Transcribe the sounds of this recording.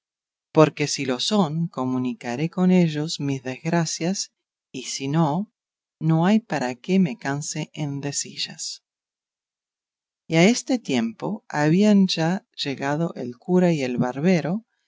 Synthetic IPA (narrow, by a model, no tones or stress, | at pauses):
po̞ɾke̞silo̞soŋko̞mũnikaɾe̞ko̞ne̞ʒo̞szmizðezɣɾasjas | isino | no̞ajpaɾakeme̞kanseʔend̪esiʒas | iaest̪et̪je̞mpo̞aβianʒa | ʒ̥e̞ɣað̞o̞ʔḛlkuɾaie̞lβaɾβeɾo̞